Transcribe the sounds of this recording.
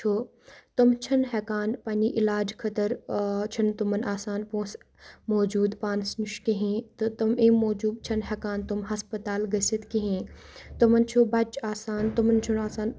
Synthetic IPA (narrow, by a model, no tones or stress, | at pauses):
t͡ʃʰo | t̪umt͡ʃʰɐnɦɛkaːnpaːnʲiʔilaːd͡ʒkʰɐt̪ɐɾt͡ʃʰɐnt̪umɐnʔaːsaːnpõːs | moːd͡ʒuːd̪paːnsnuʃkeɦẽːt̪ɨt̪ɐmẽːmoːd͡ʒuːb̚t͡ʃʰɐnɦɛkaːnt̪umɦɐspɐt̪aːlɡɐsit̪keɦẽːt̪umɐnt͡ʃʰubɐt͡ʃaːsaːnt̪umɐnt͡ʃʰunaːsaːn